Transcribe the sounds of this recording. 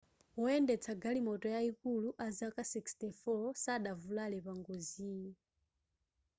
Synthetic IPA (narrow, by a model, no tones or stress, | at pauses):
wɔɛndɛt͡sʰaɡalimɔtɔjaikuluʔazakasikstɛfɔsaɗavulalɛpaŋɡoziː